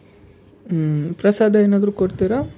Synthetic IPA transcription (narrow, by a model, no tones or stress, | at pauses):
pɾɐsaːd̪ʱɐeːnaːd̪ɐɾuːkoɽt̪iɾa